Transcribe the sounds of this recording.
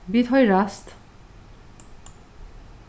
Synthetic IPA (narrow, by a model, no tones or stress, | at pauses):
bit̪ʰʌjɾast̪